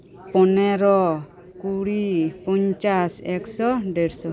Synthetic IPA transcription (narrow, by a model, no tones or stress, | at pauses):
pɔneɾɔ | kuɽipɔɲt͡ʃasɛksɔɖeɾsɔ